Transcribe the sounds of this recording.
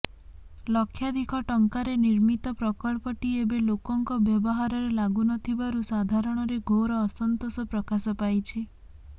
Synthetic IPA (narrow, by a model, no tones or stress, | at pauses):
lɔkʰːjad̪ʱikʰɔʈɔŋkaɾeniɾmit̪ɔpɾɔkɔɭpɔʈiebelokɔŋkɔbjɔbɔɦaɾɔɾelaɡunɔt̪ʰibaɾusad̪ʱaɾɔɽ̃ɔɾeɡoɾɔːsɔnt̪osɔpɾɔkasɔpajt͡ʃʰi